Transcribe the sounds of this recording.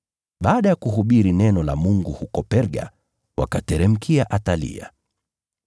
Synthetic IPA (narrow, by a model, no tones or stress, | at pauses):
ɓaːɗajakuɦuɓiɾinɛnɔla̰muŋɡuhukɔpɛɾɡa̰ | wa̰katɛɾɛm̩kʰiaʔatalḭa̰